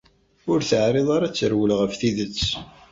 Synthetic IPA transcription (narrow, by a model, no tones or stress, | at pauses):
ʊɾθəʕɾeðˤɑɾat͡sːəɾwəlʁəfθiðət͡sː